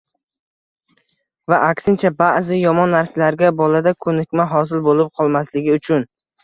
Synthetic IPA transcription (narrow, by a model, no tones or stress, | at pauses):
vaʔakʲsɪnt͡ʃʰabaʔzɪjɒmɒnːaɾsalaɾɡʲabɒlad̪akʰɵnɪkʲmaɦɒsɪlbolɪp̚qʰɒlˠmaslɪɡʲɪʊt͡ʃʰʊn